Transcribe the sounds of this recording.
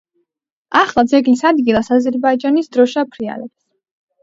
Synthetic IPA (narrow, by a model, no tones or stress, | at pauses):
aχlˠad̪zɛɡlisad̪ɡilˠasazɛɾbaid͡ʒanisd̪ɾɔʃapʰɾia̰lɛps